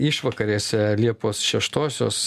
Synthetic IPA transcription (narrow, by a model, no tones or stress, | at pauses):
ɪʃʋɐkɐɾʲeːsʲɛlʲiɛpoːsʃʲɛʃt̪oːsʲo̰ːs